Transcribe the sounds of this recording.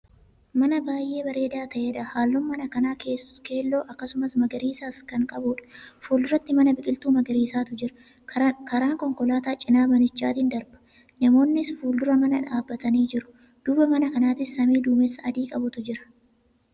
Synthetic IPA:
mɐnɐbaːjʔe̞ːbɐɾe̞ːd̪aːt̪ɐʔeːᶑɐhaːlːʊmːɐnɐkɐnaːke̞ːlːo̞ːʔɐkːɐsʊmɐsmɐɡɐɾiːsaːskɐŋkʼɐbʊᶑɐ̥fuːld̪ʊɾɐt̪ːɪmɐnɐbɪkʼɪlt̪uːmɐɡɐɾiːsaːt̪ʊd͡ʒɪɾɐ̥ | kɐɾaːŋkɔŋkɔlaːt̪aːt͡ʃʼɪnaːbɐnɪt͡ʃːaːt̪ɪnd̪ɐɾbɐ̥ | nɐmo̞ːnːɪsfuːld̪ʊɾɐmɐnɐᶑaːbːɐt̪ɐniːd͡ʒɪɾʊ̥ | d̪̥ʊbɐmɐnɐkɐnaːt̪ɪsːɐmiːd̪uːmɛsːɐɐd̪iːkʼɐbʊt̪ʊd͡ʒɪɾɐ̥

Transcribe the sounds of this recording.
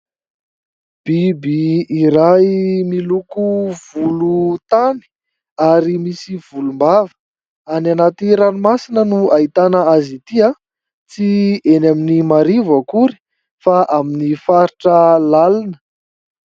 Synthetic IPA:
b̥ibiiɾamilukuv̥ulut̪ani̥ | aɾimisiv̥ulumbavə̥ | ananat̪iɾanumasinənuait̪anəazit̪ia | t͡sienaminimaɾivəkuɾi̥ | faʔaminifaɾiʈ͡ʂəlalanə̥

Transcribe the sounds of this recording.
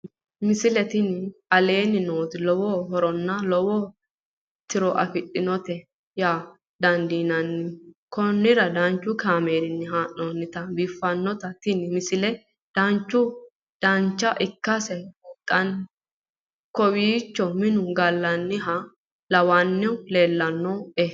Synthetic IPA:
mɪsɪlɛt̪ɪnɪɐle̞ːnɪnoːt̪ɪlɔwɔɦɔɾɔnːɐlɔwɔ | t̪ɪɾɔʔɐ̰fɪɗːɪnɔt̪ɛ | jaː | d̪ɐnd̪iːnɐnːɪkɔnːɪɾɐd̪ɐnt͡ʃːʊkaːmeːɾɪnːɪɦaːʔːoːnːɪt̪ɐbɪfːɐnːɔt̪ɐt̪ɪnɪmɪsɪlɛ | d̪̥ɐnt͡ʃːʊ | d̪̥ɐnt͡ʃːɐʔɪkːɐsɛt̪ʼːɐn | kɔwiːt͡ʃːɔmɪnʊɡɐlːɐnːɪɦɐ | lɐwanːɪʊle̞ːlːɐnːɔe

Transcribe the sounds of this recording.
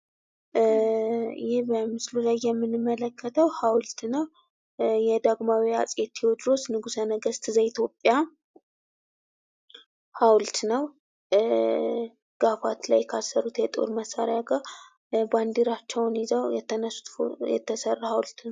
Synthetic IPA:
jɪhbəmɨslulajːɛmːɨnɨmːələkʰːət̪ʰəwhawlt̪nəw | jɛd̪aɡmawia̰t͡sʼjet̪ʰːiwɔd̪ɾosnɨɡusənəɡəst̪ʰɨzait̪ʰjo̞pʼːja | hawlt̪nəw | ɡ̥afat̪lajkʰasəɾut̪jɛt̪ʼo̞̰ɾməsaɾjaɡa | band̪iɾat͡ʃːɛwnizəwjɛt̪ʰːənəsu̥t̪jɛ̰t̪ʰːəsərːahawlt̪nw

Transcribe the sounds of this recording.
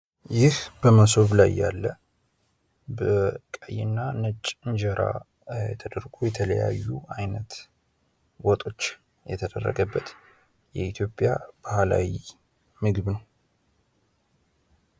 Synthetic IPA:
jɪhb̥əməso̞βlajːa̰lːə | bəkʼəjːɪnːanət͡ʃʼːɨɲd͡ʒəɾʔa̰ | ɛt̪ʰəd̪əɾɡojɛt̪ʰələja̰jːuʔajnət̪ | wɔt̪ʼo̞t͡ʃː | jɛt̪ʰəd̪ərːə̰ɡəbːət̪ | jɛit̪ʰjo̞pʼjab̥ahala̰wi | mɨɡɨβnəw

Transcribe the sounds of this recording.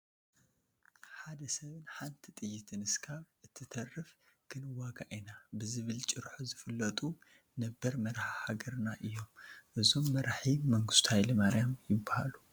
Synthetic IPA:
ħad̪ɐsɐβɨnħant̪ʰit̪ʼɨjːɪt̪ʰɨnɨskʰaβʔɨt̪ʰːɨt̪ʰɐrːɨf | kʰɨnɨwaɡaʔinabɨzɨβɨlt͡ʃʼɨɾħuzɨfɨlːɐt̪ʼu | nɐbːɐɾmɐɾħahaɡɐɾnaʔɨjːo̞mʔɨzo̞mːɐɾaħimɐŋɡɨst̪hajlɨmaɾjamjɪbːaha̰lu

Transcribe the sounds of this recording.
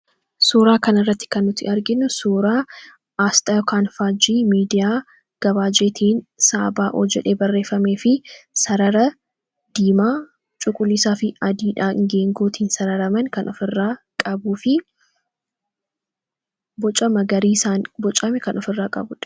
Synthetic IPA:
suːɾaːkɐnɪrːɐt̪ːɪ̥kɐnːʊt̪ɪɐɾɡɪnːʊsuːɾaː | aːst̪ʼɐjɔkaːnfaːd͡ʒiːmiːd̪ɪjaː | ɡ̥ɐβaːd͡ʒeːt̪ʰiːnsaːbaːʔo̰ːd͡ʒɛᶑe̞ːbɐrːe̞ːfɐmeːfɪsɐɾɐɾɐ | d̪̥iːmaː | t͡ʃʼʊkʼʊlːisaːfɪɐd̪iːᶑaːɪ̰ŋɡe̞ːŋɡoːt̪iːnsɐɾɐɾɐmɐnkɐnʔɔfɪrːaː | kʼɐbuːfɪ | bɔt͡ʃʼɐmɐɡɐɾiːsaːnbɔt͡ʃʼɐmɛkɐnɔfɪrːaːkʼɐ̰bʊᶑɐ̥

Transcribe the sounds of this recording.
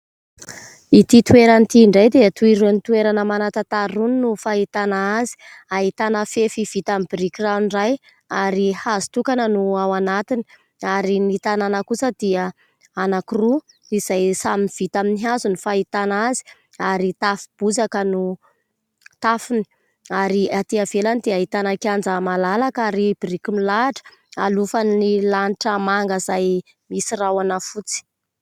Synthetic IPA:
it̪it̪ueɾant̪iɳɖ͡ʐajd̪eat̪uiɾunit̪ueɾanəmanat̪at̪aɾuninufaɦit̪anaazi̥ | aɦit̪anəfefivit̪ambiɾikiraunraj | aɾihazi̥t̪ukanənuawanat̪ini̥ | aɾinit̪ananəkusəd̪ia | anakiru | iz̥ajsaminv̥it̪aminiɦazunifait̪anazi̥ | aɾit̪afi̥b̥uzakənu | t̪afini̥ | aɾiat̪iavelanid̪iəit̪anakand͡zamalalakaɾib̥iɾikimilaaʈ͡ʂə̥alufanːilaniʈ͡ʂəmaŋɡəzaj | misirawanəfut͡si̥

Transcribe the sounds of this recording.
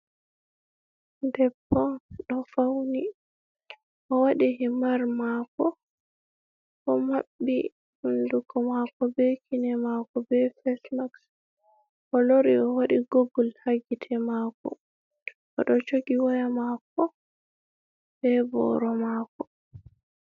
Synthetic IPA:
ndɛbːɔɗɔfawni | ʔɔwaɗihimaɾmakɔ | ʔɔmabːi | hundukʰɔmakɔbekʰinɛmakɔbɛfɛsmaks | ʔɔloɾiɔwaɗiɡoɡulhaɡitʰɛmakɔ̰ | ʔɔɗɔt͡ʃoɡiwajamakɔ | bɛbɔ̰ɾɔmaːkɔ

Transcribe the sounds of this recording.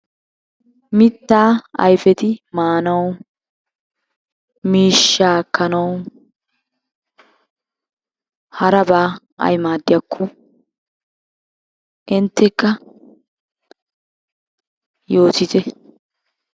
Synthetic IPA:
mɪt̪ːaːɐ̰jfɛt̪ɪmaːnɐw | miːʃːaːkːɐnɐw | hɐɾɐbaː | ʔɐ̰jmaːd̪ːɪjɐkʰːɔ | ʔɪnt̪ːɛkːɐ | jo̞ːt̪ɪt̪ɛ

